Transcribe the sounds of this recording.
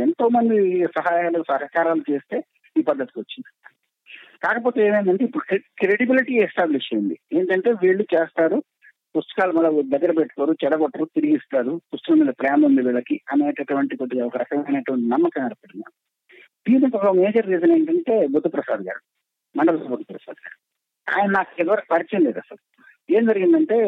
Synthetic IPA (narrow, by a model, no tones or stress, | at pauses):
ent̪o̞ːmɐnd̪isɐɦaːjaːlɐsɐɦɐkaːɾaːlut͡ʃe̞ːst̪e̞ː | iːpɐd̪ːɐt̪i̥kʋot͡ʃːind̪i | kaːkɐpo̞ːt̪e̞ːeːmeːmɐɳʈeipːuɽukkɾeɽibiliʈiɛsʈaːbliʃt͡ʃejund̪ieːnikɐɳʈe̞ːʋiːɭːut͡ʃeːst̪aːɾu | pust̪u̥kaːlumɐɭːɐd̪ɐɡːɐɾɐpeʈːu̥koːɾut͡ʃɛɽɐɡɔʈːɐɾut̪iɾiɡist̪aːɾupust̪ɐkɐmiːd̪ɐpɾɐjaːmɐmd̪iʋiːɭɐkiɐneːʈɐʈuʋɐɳʈikoʈːuɡaɔkɐɾɐkɐŋɐneːʈʋɐɳʈinɐmːɐkɐnɐɾɐpɐɽinːa̰ːu | d̪iːniɔkɐme̞ːd͡ʒɐɾːiːzɐneːɳʈɐɳʈe̞ːbʱud̪ːɐpɾɐsaːd̪ɐɡa̰ːɾu | mɐɳɖɐbɐt̪ɐbut̪ːɐpɾɐsa̰ːd̪ɐɡa̰ːɾu | a̰ːjɐnɐnaːkuɛʋʋɐɾɐpɐɾit͡ʃɐnleːd̪ɐsɐl | e̞ːmd͡ʒɐɾiɡind̪ɐɳʈe̞ː